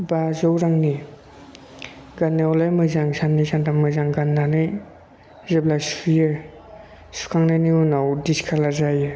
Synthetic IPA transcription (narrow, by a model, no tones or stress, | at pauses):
bazɔwɾaŋni | ɡanːawlajmɯjzaŋsanːɯjsantammɯzaŋɡanːanɯj | zeblasijɯ | su̥kʰaŋnajniunawdiskʰalazajɯ